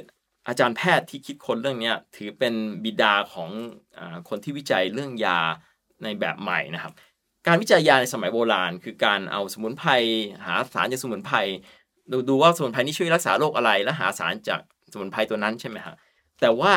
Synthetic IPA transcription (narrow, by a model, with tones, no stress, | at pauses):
ʔaː˧t͡ɕaː˧npʰɛː˥˩t̪ʰːiː˥˩kʰi˦˥t̪̚kʰo˧nɾɯ˥˩əŋni˦˥ɐt̪ʰɯː˩˦pe˧nbi˨˩daː˧kʰɔː˩˦ŋʔaː˨˩kʰo˧nt̪ʰiː˥˩wi˦˥t͡ɕa˧jɾɯ˥˩əŋjaː˧ | na˧jbɛ̰ː˨˩p̚ma̰˨˩jna˦˥kʰa˦˥p̚ | kaː˧nwi˦˥˩t͡ɕa˧jːaː˧na˧jsa˧ma˩˦jboː˧laː˧nkʰɯː˧kaː˧nʔa̰˧wsa˧mu˩˦npʰa˧jɦa̰ː˩˦sa̰ː˨˦nt͡ɕaː˨˩ksu˧˦mu˩˦npʰa˧j | duː˧duː˧waː˥˩sa˧m˨˩˦npʰa˧jniː˥˩t͡ɕu˥˩ə˨jɾa˦˥k̚saː˩˦loː˥˩k̚ʔa˧ɾa˧jlɛː˦˥ɦa̰ː˩˦sa̰ː˩˦nt͡ɕa̰ː˨˩k̚ | sa˧mu˩˦npʰa˧jt̪u˧ɐna˦˥nt͡ɕʰa˥˩ma˦˥kʰa̰˦˥ | t̪ɛː˨˩waː˥˩